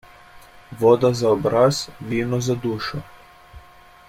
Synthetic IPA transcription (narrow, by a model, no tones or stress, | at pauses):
ʋɔd̪azaɔbɾaz̥ʋiːnɔzad̪uːʃɔ